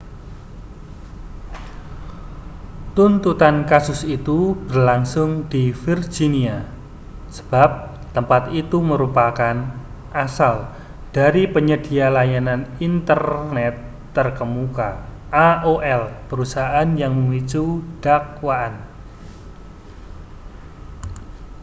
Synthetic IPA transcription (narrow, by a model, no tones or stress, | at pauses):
t̪unt̪ut̪ankasʊsit̪ub̥ərlaŋsʊŋd̥ifird͡ʒinia | sə̥b̥ap̚ | t̪əmpat̪it̪uməɾupakan | ʔasal | d̥aɾipəɲəd̥i̤alajananint̪ərnɛt̪ː | ərkəmuka | ʔaʔoʔɛlpəɾusaaʔanjaŋməŋit͡ʃud̥akwaʔan